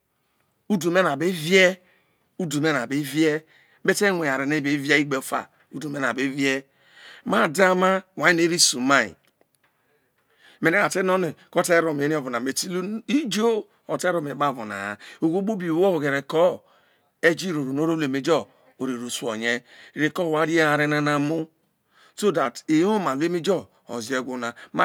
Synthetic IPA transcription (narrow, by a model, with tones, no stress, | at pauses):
u˦du˨m˦e˦na˨be˦ve˦ | u˦du˨me˦na˨be˦vi˦e˦ | be˦te˦ŋʷe˨a˨ɾe˨ne˦be˨˦vi˦e˦i˦ɡ͡be˨˦fa̰˨ | u˦du˨me˦na˨be˦vje˦ | ma˦˨da˦ma˦˨wa˨i˦ne˦ɾi˦su˨ma˦ḭ˨ | me˨e˦a˨te˦no˦ne˨ko˦te˦ɾo˨m˨e˦i˦o˦vo˨na˨me˨ti˦li˦d͡ʒo˦ | o˨te˦ɾo˦me˨ba˦˨vo˨na̰˨a˨o˨ɡo˦bo˦bi˨wo˦˨ɡe˨ɾe˨kɔ˦ | e˦d͡ʒi˦ɾo˨ɾo˨no˦ɾo˦le˨me˨˦d͡ʒɔ˦ | o˨ɾi˨ɾu˨su˨o̰˨ɲe˦˨ɾe˨kɔ˦˨wa˦ɾi˦a˨ɾe˦na˦na˨mu˦ | so˦da˨ti˨˦o˦ma˨le˦mi˦d͡ʒɔ˦ | o̰˨zi˨˦e˦˨ɡʷo˦na˨m˦